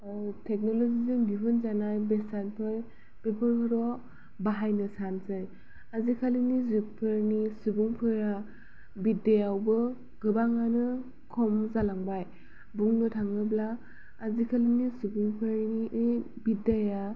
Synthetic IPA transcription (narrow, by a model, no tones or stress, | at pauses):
tʰek̚nɔlozizɯnbibɯnzanajbesanpʰɯɾ | b̥epʰɯɾkʰɯɾɔ | baɦajnɯsanzɯj | azikʰalinizupʰɯɾnisubuŋpʰɯɾa | bidajawbɯ | ɡɯbaŋanɯ | kʰɔmzalaŋbaj | buŋnɯtʰaŋɯblaː | zikʰalinisubuŋpʰɯɾniʔɯj | bidaja